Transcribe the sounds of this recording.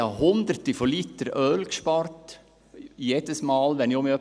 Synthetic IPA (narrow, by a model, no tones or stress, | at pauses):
ɑhʊnd̪əɾt̪əfɔlit̪əɾœːlkʃpɑrt̪ | jed̪̥əsmɑːlʋɛniʊmiœ